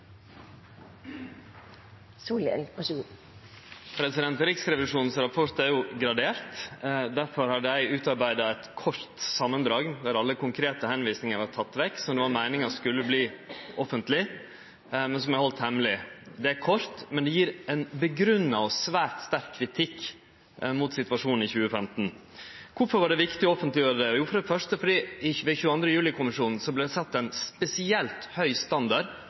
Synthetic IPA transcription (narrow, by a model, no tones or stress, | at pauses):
suːlɛ̰lsʉ | pʰɾɛsɪd̪ɛnt̪ɾɪksɾɛʋɪʂuːnn̩sɾɑpʰɔɾt̪æɾjʊɡɾɑd̪eːɾt̪d̪æɾfɔɾhɑɖ̪əjæɪʉːt̪ɑɾbæɪd̪ɑɛt̪kʰɔɾt̪sɑmənd̪ɾɑːɡd̪æɾɑlːəkʊŋkʰɾeːt̪əhɛnʋiːsnɪŋəɾʋɑt̪ʰɑt̪ːʋɛkːsɔmd̪ɛʋɑɾmæɪnɪŋɑʂkʉlːəbliːɔfənt̪lɪ | mɛnsɔmjæɪhɔlt̪hɛmlɪd̪ɛæɾkʰɔɾt̪mɛnd̪ɛjiːɾɛnbəɡɾʉnːɑɔsʋæːɾt̪st̪æɾkʰːɾɪt̪ʰɪkː | mʊt̪sɪt̪ʋɑʂuːnn̩ɪçʉːəfɛmt̪n̩ | kʊɾfɔɾʋɑɖɛʋɪkt̪ɪɔɔfənt̪lɪjøːɾəd̪ɛjuːfɔɾɑd̪ɛfœʂʈəfɔɖiɪʋɛçʉːɑnd̪ɾəjʉːlɪkʰʊmɪʂuːnn̩sɔblɛd̪ɛsɛt̪ːɛɪnspɛsɪɛlt̪hœʏst̪ɑnd̪ɑɾ